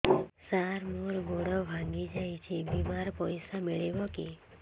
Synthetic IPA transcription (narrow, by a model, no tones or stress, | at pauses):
saɾmuɾɡoɽɔbʱãŋɡid͡ʒajt͡ʃʰebimaɾpɔjsameɭeʋɔki